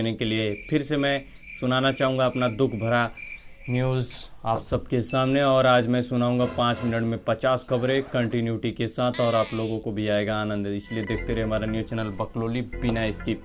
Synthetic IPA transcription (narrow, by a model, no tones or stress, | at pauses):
nekeliepʰɪɾsemɛ̃ː | sʊnaːnat͡ʃaːɦũːŋɡaɐpnad̪ʊkʰbʱɐɾanjuːzaːpsɐb̚kesaːmneɔːɾaːd͡ʒmɛ̃sʊnaːɦũːŋ̆ɡapãːt͡ʃmɪnəʈmẽpɐt͡ʃaːskɐbɾẽkɐ̃ɳʈɪnjuːʈikesaːt̪ʰɔːɾaːploːɡõkobʱiaːeːɡaːnə̃nd̪ɪslied̪eːk̚ʰt̪eɾɛɦɛɦɐmaːɾanjuːt͡ʃɛːnəlbɐkloːlibinaɪski